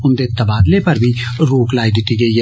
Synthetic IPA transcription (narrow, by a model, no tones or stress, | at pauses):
ʊnd̪et̪ɐbaːd̪lepɐɾbʱi | ɾoːklaːid̪ɪt̪iɡɐi